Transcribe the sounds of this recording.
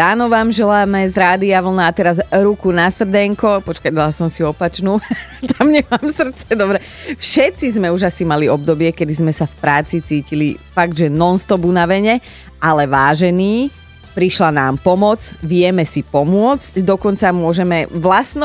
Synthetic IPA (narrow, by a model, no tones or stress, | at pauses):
ɾaːnɔʋaːmʒɛlaːmɛzɾaːd̪iaʋl̩naːt̪ɛɾazɾukunast̪r̩d̪ɛŋkɔpɔt͡ʃkad̪alasɔmsiɔpat͡ʃnuːt̪amɲɛmaːmsr̩t̪t͡sɛd̪ɔbɾɛ | fʃɛt̪t͡sizmɛuʒasimaliɔb̚d̪ɔbɪɛkɛd̪izmɛsafpɾaːt͡sit͡siːcilḭfaɡ̚d̪ʒɛnɔnst̪ɔbunaʋɛɲɛ | alɛʋaːʒɛniː | pɾiʃlanaːmpɔmɔt͡sʋɪɛmɛsipɔmʊɔt͡scd̪ɔkɔnt͡samʊɔʒɛmɛʋlasn